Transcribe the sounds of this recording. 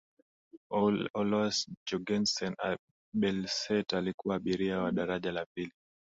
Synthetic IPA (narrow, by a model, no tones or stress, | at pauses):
ɔlwasd͡ʒɔɡɛnsɔna | ɓɛlsɛtalikuwaːɓiɾiawaɗaɾaʄalapili